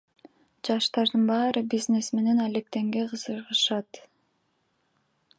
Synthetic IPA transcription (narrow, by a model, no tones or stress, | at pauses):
d͡ʒɑʃt̪ɑɾd̪ɯnbɑːɾɯbizne̞sme̞ne̞nalek̚t̪e̞ŋɡe̞qɯzɯɾʁɯʃɑt̪